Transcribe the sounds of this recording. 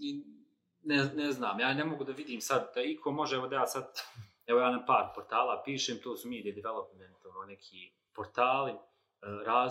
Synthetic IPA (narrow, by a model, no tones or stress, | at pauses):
i | nɛneznaːmjaːnemo̞ɡud̪aʋid̪iːmsad̪d̪aikʰo̞mo̞ʒɛɛʋo̞d̪ajaːsad̪ | ɛʋo̞jaːnapaːɾpoɾt̪aːlaːpiːʃeːmt̪ʰoːsumiːd̪ied̪iʋelˠopment̪ononekʰiː | poɾt̪aːli | ɾaː